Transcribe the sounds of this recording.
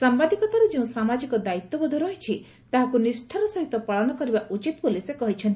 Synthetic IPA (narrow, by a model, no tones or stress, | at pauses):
sambad̪ʱikɔt̪aɾud͡ʒeũsamad͡ʒikɔd̪ait̪ːɔbɔd̪ʱɔɾɔɦit͡ʃʰi | t̪aɦakunisʈʰaɾɔsɔɦit̪ɔpaɭɔnɔkɔɾibaʔut͡ʃit̪ɔpolisekɔɦit͡ʃʰɔnt̪i